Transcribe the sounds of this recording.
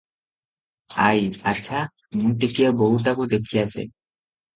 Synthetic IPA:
a̰ja̰tːɕʰa | munʈikiaboɦut̪akud̪ekʰiat͡ɕʰḛ

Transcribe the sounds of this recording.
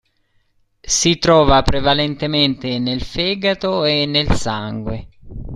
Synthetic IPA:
sit̪ɾɔːvapɾevalent̪ement̪enelfɛːɡat̪oenːelsaŋɡwe

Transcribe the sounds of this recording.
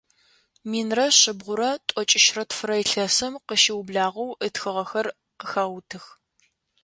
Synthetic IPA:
miːnrɐɕɪbʁʷʊɾɐtʷʼɔt͡ʃʼɪʃrɐtfɨɾɐjɪɬɐsɐmqəʃɪwbɮaːʁɐwʔətxɨʁɐxɐr | qəxaːwtʰɨx

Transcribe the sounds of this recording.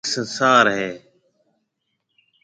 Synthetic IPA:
sənsaːɾɦeː

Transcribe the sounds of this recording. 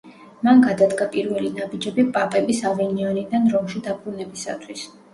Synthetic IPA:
manɡad̪ad̪ɡapʼiɾvɛlinabid͡ʒɛbipʼapʼɛbisavɛniɔnid̪anɾɔmʃid̪abɾunɛbisa̰t̪ʰwis

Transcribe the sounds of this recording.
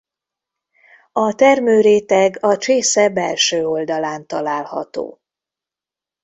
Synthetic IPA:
ɒt̪ɛrmøːɾeːt̪ɛɡɒt͡ʃeːsɛbɛlʃøːo̞ld̪ɒlaːnt̪ɒlaːlhɒ̰t̪o̰ː

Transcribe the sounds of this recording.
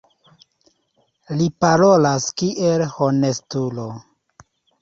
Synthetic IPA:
lipaɾo̞laskiʔelhonestulo

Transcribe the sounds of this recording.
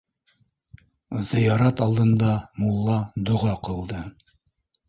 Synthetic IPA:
zɘ̆jɑɾɑt̪ɑlˠd̪ɤ̆nd̪ɑmulˠːɑd̪ŏʁɑqɤ̆lˠd̪ɤ

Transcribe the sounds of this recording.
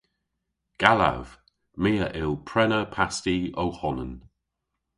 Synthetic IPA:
ɡ̥ala̰v̥ | meːəʔɪlˠpʰɹɛnəpʰastiowhɔnən

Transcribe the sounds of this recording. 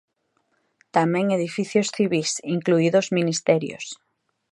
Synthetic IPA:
t̪amɛ̃ŋeð̞ifiθjosθiβisiŋkluiðozminist̪ɛɾjo̰s

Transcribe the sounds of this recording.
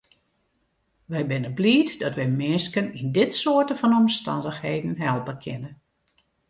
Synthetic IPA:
ʋɛjbɪnəbliːtdɔtʋɛjmɪskənindɪtsoətəvɔnɔmstɑ̰ndəxhejdən̩ɦɛlˠbəkʰɪnə

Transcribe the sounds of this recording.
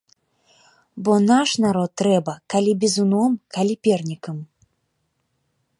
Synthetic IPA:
bɔnaʂnaɾɔt̪ːɾɛbɐkalʲibʲɛzunɔmkalʲipʲɛrnʲikəm

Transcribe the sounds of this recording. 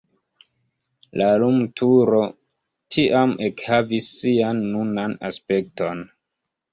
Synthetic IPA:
lalumtʰuɾo̞ | tʰiʔamekhavisːianːunana̰spe̞k̚to̞n

